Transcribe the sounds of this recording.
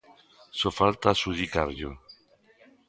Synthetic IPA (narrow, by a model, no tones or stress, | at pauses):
sofalt̪asuðikaɾʎo